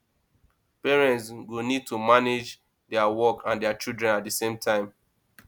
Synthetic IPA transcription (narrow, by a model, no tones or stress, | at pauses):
pɛɹɛ̃ntsɡonid̚tʰumaned͡ʒ | dɛawɔkãndɛat͡ʃidɹɛ̃nat̚dəsẽmtʰãɪ̃m